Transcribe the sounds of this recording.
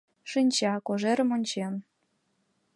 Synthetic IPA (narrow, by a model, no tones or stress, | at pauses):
ʃɨnʲt͡ɕɑkoʒeɾə̆monʲt͡ɕem